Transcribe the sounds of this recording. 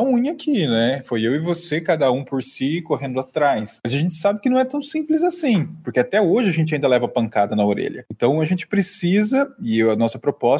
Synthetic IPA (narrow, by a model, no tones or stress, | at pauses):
ɐũɲakʰinɛfojewɪvosekad̪ɐũpoɾsikoɦẽnd̪ʊat̪ɾajsmɐjzaʒẽnt͡ʃɪ̥sabɪkɪnɐ̃w̃ɛt̪ɐ̃w̃sĩmplɪzasĩpoɾkeat̪ɛoʒɪaʒẽnt͡ʃɪaĩnd̪ɐlɛvɐpɐ̃ŋkad̪ɐnɐoɾḛʎɐ̰ẽnt̪ɐ̃w̃ɐʒẽnt͡ʃɪ̥pɾesizɐɪanɔsɐpɾopɔs